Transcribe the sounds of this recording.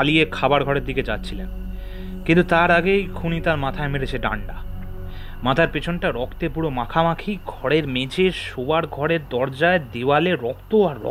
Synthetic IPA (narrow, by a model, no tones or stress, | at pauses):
alijekʰabaɾɡʱɔɾeɾd̪iked͡ʑatːɕʰilen | kint̪ut̪aɾaɡejkʰunit̪aɾmat̪ʰaemeɾet͡ɕʰeɖa̰ɳɖa | mat̪ʰaɾpet͡ɕʰonʈaɾɔkʰt̪epuɽomakʰamakʰiɡʱɔɽeɾmet͡ɕeʃobaɾɡʱɔɾeɾd̪ɔɾd͡ʑaed̪ewaleɾɔkt̪oaɾːɔ̰